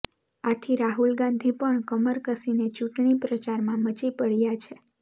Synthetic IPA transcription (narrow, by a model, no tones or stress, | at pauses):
at̪ʰiɾaɦulɡãnd̪ʱipəɳkəməɾkəsinet͡ʃuʈɳipɾət͡ʃaɾmãmət͡ʃipəɭjat͡ʃʰe